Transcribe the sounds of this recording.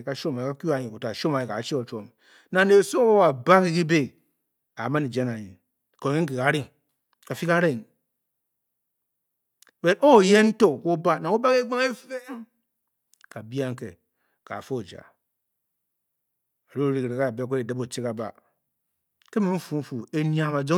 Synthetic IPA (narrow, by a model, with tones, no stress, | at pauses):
ka˦ʃo˦ma˨i˨ka˦ku˦a˨ɲi˨ko˨ta˨ʃo˦ma˨ji˨ka̰˨t͡ʃi˦o˨t͡ʃo˨m | na˨ne˨so˦o˦wo˦wa˨ba˦ki˦ki˦be˦ | a˨ma˦ni˨d͡ʒe˦na˨ɲi˨ | ko˨e˦ŋ̩˦ki˨ka˨˦ɾi˦ŋ | ka˨fi˦ka˦ɾe˨ŋ | we˨nʔo˦˨je˦n̩˦to˦˨ko˦ba˦˨na˨o˦ba˦ke˦ɡ͡ba˦ŋe˦fe˦ŋ | ka˨bi˦a˦ŋ˦kḛ˨ | ka̰˨fo˦˨d͡ʒa̰˨ | a˨ɾo˦˨ɾi˦kɾe˨ka˦˨be˦˨kʷe˦e˨da˦bo˨t͡ʃe˦ka˨ba̰˨ | ke˦me˦m̩˦fu˨˦m̩˦fu˨e˦ni˦a˨ma˨d͡ʒo˦